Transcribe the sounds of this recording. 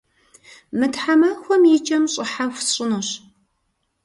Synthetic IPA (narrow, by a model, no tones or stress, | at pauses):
mɨtħamɐxʷɔmjɪt͡ʃʼɐmɕʼɪħaxʷsɕʼɪnoɕ